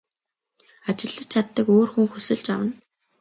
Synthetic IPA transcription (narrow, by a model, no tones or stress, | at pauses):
at͡ɕɪ̆ɮːə̆t͡ɕʰat̪ːə̆koːrxuŋxusɘ̆ɮt͡ɕa̰wə̆n